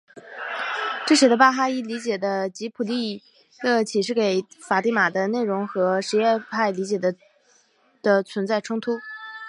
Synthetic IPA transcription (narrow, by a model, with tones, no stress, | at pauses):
ʈ͡ʂɤ˥˩ɕɛ˧˥d̪ə˧pa˥˧xa˥i˥li˧˥t͡ɕjɛ˨˩d̪ə˦t͡ɕi˧˥pʰu˨˩li˥˩ | lɤ˥˩t͡ɕʰi˨˩ʂɻ̩˥˩ke˨˧˩ɪfa˨˩t̪i˥˩ma˨˩d̪ə˦ne˥˩ɪɻʊ˧˥ŋxɤ˧˥ʂɻ̩˧˥jɛ˥˧pʰa˥˩ɪli˧˥t͡ɕjɛ˨˩d̪ə˦ | d̪̥ə˧t͡sʰwə˧˥nt͡sa˥˩ɪʈ͡ʂʰʊ˥ŋt̪ʰu˥